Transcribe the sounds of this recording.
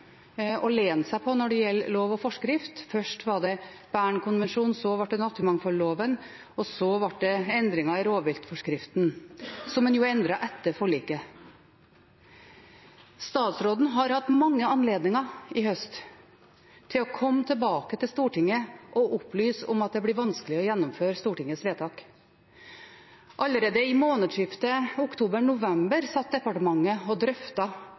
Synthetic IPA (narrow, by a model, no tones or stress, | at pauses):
ɔleːnsæɪpʰɔnɔɖɛjɛlːloːʋɔfɔʂkɾɪft̪fœʂʈʋɑɖɛb̥æːɳkʊnʋɛnʂuːnsɔʋɑʈ̚ɖ̪ɛnɑt̪ːɪmɑŋfɔloːʋən | ɔsɔʋɑʈ̚ɖ̪ɛɛnd̪ɾɪŋɑɪɾoːʋʋɪlt̪fɔʂkɾɪft̪nsɔmːɛnjʊɛnd̪ɾɑʔɛt̪ːəfɔɭiːkə | st̪ɑːt̪sɾoːd̪n̩ɦɑɾhɑt̪ːmɑŋːəɑnleːd̪nɪŋɑɪhœst̪ | t̪ʰːɪlɔkʰɔmːt̪ʰəlbɑːkət̪ɪlst̪uːʈɪŋəʔɔʔʊplyːsɔ̰mɑt̪̚d̪ɛblɪːɾʋɑnsklɪɔjɛnːʊmføːɾst̪uːʈɪŋːəsʋeːt̪ʰɑːk | ʔɑlːəɾeːd̪əɪmoːnəd̪ʂʏft̪əʊkt̪ʰuːbəɳʊʋɛmbəɾsɑt̪̚d̪ɛpɑʈəmɑŋːəɔd̪ɾœft̪ɑ